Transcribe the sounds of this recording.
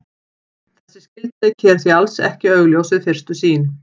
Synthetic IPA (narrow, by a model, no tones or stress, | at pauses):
θɛsːɪ̥scɪlt̪ɪcʰɛːɾθialsɛ̰hcɪœɣljowsɪðfɪr̥st̪ʏsiːn